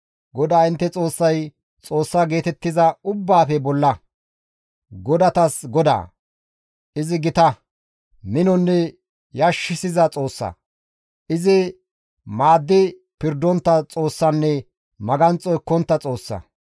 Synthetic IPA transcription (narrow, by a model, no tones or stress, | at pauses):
ɡɔd̪aːɪnt̪ːɛt͡sʼo̞ːsːɐj | t͡sʼo̞ːsːaːɡe̞ːt̪ɛt̪ːɪzɐʊbːaːfɛbɔlːɐ | ɡɔd̪ɐt̪ɐsɡɔd̪a̰ː | ʔɪzɪɡɪt̪ɐ | mɪnɔnːɛ | jɐʃːɪsɪzɐt͡sʼo̞ːsːɐ̰ | ʔɪzɪ | maːd̪ːɪ | pɪɾd̪ːɔnt̪ːɐt͡sʼo̞ːsːɐnːɛ | mɐɡɐnt͡sʼɔjkɔnt̪ːɐt͡sʼo̞ːsːɐ̰